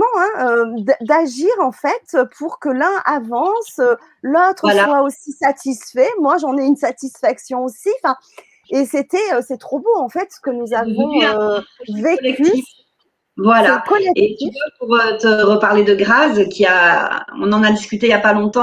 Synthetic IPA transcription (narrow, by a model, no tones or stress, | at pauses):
mɑ̃ɛ̃ød̪d̪aʒiʁɑ̃fɛt̪øpʰuʁkəlɛ̃avɑ̃sø | lot̪χəwaswaosisat̪ʰisfɛmwaʒɑ̃nɛynsat̪isfaksjɔ̃osiɑ̃fɛ̃ | eset̪ɛøsɛt̪χoboɑ̃fɛt̪sə̥kənuzavɔ̃ | vekɛy | vwalaakɔlɛet̪yvapuʁøt̪əʁəpaʁled̪əɡʁazkʲiaɔ̃nɑ̃nad̪iskʲyt̪ejapalɔ̃t̪ɑ̃